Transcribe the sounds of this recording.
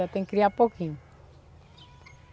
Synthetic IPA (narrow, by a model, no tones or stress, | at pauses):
at̪ẽj̃kkɾiaɾpokĩɲʊ